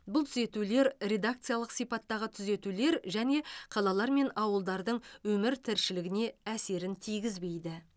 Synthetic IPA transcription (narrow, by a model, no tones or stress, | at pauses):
bʊlˠt̪ʰʏze̞t̪ule̞ɾrʲe̞d̪ak̚t̪sɨjalˠəqsijpɑt̪ːɑʁət̪ʰʏze̞t̪ule̞ɾʒæne̞qʰɑlˠɑlˠɑɾme̞nɑwəlˠd̪ɑɾd̪əɴwɵmɪɾt̪ʰɪɾʃɪlɪɡʲɪne̞æse̞ɾɪnt̪ʰijɡʲɪzbe̞jd̪ɪ